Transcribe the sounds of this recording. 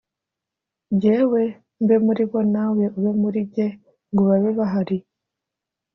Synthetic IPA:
ɟewe | mbemuɾiβonaweuβemuɾiɟe | ŋɡuβaβeβaɦaɾi

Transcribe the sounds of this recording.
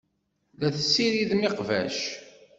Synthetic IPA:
ðæθəsːiɾiðmɪqvæ̰ʃ

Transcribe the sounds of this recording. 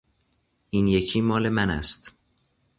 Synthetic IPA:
ʔiːnje̞cʰiːmɒːle̞mænæ̰st̪

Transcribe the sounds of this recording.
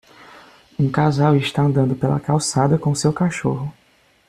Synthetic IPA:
ũkazawɪʃt̪aɐ̃nd̪ɐ̃nd̪ʊpelɐ̰kawsad̪ɐkõʊsewkaʃoɦʊ

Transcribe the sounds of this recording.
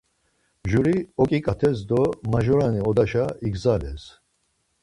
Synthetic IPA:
ʒuɾiɔkʼikʼat̪ʰɛsd̪ɔmaʒɔɾaniɔd̪aʃaiɡzalɛs

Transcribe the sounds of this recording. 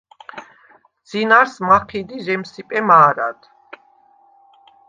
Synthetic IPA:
d̪z̥inaɾsmaqʰid̪izɛmsipʼɛmaːɾa̰d̪̥

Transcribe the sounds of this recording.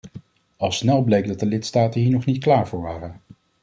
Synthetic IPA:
ɑlˠsnɛlˠblejk̚dɑt̚dəlɪtstaːtənɦiːɹnɔχnitklaːɹvʊːɹʋaːrən

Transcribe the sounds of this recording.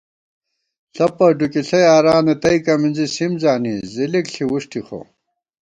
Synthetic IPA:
ɬɐpɐɖukiɬɐjaːɾaːnet̪ɐikɐminzisimzaːnizilikɬʰiwuʂʈixo̰

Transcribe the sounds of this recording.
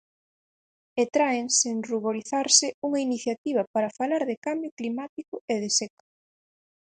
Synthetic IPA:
et̪ɾaeŋseŋruβoɾiθaɾsɪuŋɐiniθjat̪iβ̞ɐpaɾɐfalaɾðɪkambjʊklimat̪ikʊeðɪsɛko̥

